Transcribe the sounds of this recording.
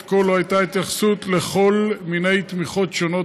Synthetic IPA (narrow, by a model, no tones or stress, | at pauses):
kolohajt̪ait̪jaχsut̪le̞χo̞lmine̞jt̪miχo̞t̪ʃo̞no̞